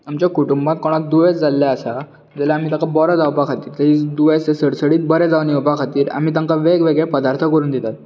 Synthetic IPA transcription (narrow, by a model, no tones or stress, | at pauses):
amt͡ɕjakuʈumbãt̪̚kɔɽ̃ad̪uʋet͡sd͡zalːaəsa | d͡zɛlaam̤iːt̪ãkabɔɾad͡zawbakʰat̪iːɾt̪əid̪uʋest̪esəɽsəɽiːt̪̚bəɾɛd͡zaʋniɔbakʰat̪iːɾa̰m̤iːt̪ãŋkaʋeɡʋeɡɭepəd̪aɾt̪ʰəkəɾuːnd̪it̪at̪̚